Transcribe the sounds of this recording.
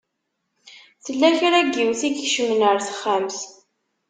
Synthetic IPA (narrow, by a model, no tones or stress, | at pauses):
θəlːæçɾæɡiwθikçʃəmnəɾθə̥χːæmθ